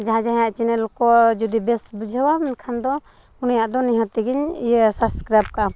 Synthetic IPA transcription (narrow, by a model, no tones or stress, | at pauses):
d͡ʒaɦãd͡ʒãɦãjaʔt͡ʃɛnɛlkɔd͡ʒud̪ibɛsbud͡ʒʱəwamɛnkʰand̪ɔ | unijaʔd̪ɔniɦãt̪ɛɡiɲijsaskɾajp̚kaʔa